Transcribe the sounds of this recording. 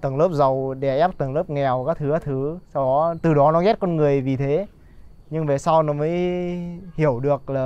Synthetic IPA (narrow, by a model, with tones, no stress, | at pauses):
t̪ə˨˩ŋləː˦˥p̚zə˨˩wɗɛ˧˩ʔɛ˦˥p̚t̪ə˨˩ŋləː˦˥p̚ŋɛ˨˩wkaː˦˥k̚t̪ʰɨ˨˦aː˦t̪ʰɨ˨˦sa˧wɗɔ˨˦t̪ɨ˨˩ɗɔ˨˦nɔ˨˦ɣɛ˦˥t̚kɔ˧nŋɨ˨˩əjvi˨˩t̪ʰe˨˦ | ɲɨ˧ŋve˨˩saː˧wnɔ˨˦məː˨˦j | hi˧˩əwɗɨ˨˩ək̚laː˨˩